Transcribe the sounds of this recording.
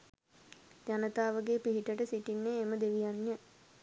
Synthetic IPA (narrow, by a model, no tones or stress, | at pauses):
d̪anət̪aːʋəɡepiɦiʈəʈəsiʈinːeːməd̪eʋijanːə